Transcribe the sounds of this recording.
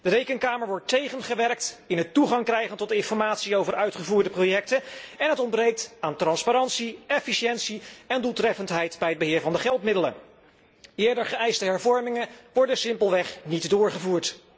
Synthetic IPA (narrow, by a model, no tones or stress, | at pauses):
d̥ərejkənkaːməɹʋɔɹtejχənχəʋɛrk̚tɪnɦətuχɑŋkrɛjχəntɔtɪnfɔɹmaːtsiowvəɹœɥtχəvuːɹdəprowjɛk̚təɛnɦətɔnbrejk̚taːntrɑnspaɾɑntsiɛfiʃɛntsiɛndulˠtrɛfəntɦɛjtbɛjɦəd̚bəɦɪːɹvɑndəχɛlˠtmɪdələ | ɪːɹdəɹχəɛjstəɦɛɹvɔɹmɪŋənʋɔɹdəsɪmpəlˠʋɛχnitdʊːɹχəvuːɹt